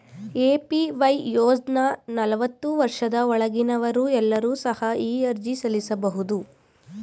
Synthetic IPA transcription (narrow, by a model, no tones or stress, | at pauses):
eːpiʋɐjjoːd͡ʒnanɐlɐʋɐt̪ːuʋɐɾʂɐd̪ɐɔɭɐɡinɐʋɐɾuːɛlːɐɾuːsɐhɐiːɐɾd͡ʒisɐlisɐbɐɦud̪u